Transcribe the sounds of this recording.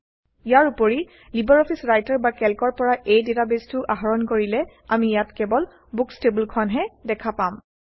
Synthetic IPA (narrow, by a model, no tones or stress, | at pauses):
ijaɹupoɹi | libɔɹɔpʰisɹajtaɹbakɛlkɔɹpɔɹaʔejdetabestʊʔaɦɔɹɔnkoɹilɛ | amijatkɛbɔl | bukstebulkʰɔnɦɛdɛkʰapam